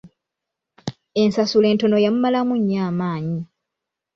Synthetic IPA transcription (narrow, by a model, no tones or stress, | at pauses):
e̞nsasule̞ːnto̞no̞jamumalamuɲːaːmaːɲi